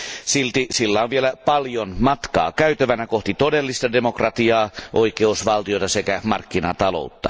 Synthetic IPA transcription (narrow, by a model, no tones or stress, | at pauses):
silt̪isilːæonʋielæpɑljonmɑt̪kɑ̰ːkæyt̪øʋænækoht̪it̪odelːist̪ɑdemokrɑt̪iɑːʔoikeusʋɑlt̪ijot̪ɑsekæmɑrkːinɑt̪ɑlo̰ˑut̪ːɑ̰